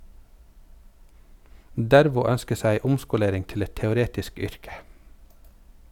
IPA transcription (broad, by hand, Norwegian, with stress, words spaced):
ˈdæɾʋʊ ˈœnskə ˈsæɪ ˈʊmskʊˌleːɾɪŋ ˈtɪl ˈɛt tɛʊˈɾeːtɪsk ˈʏɾkə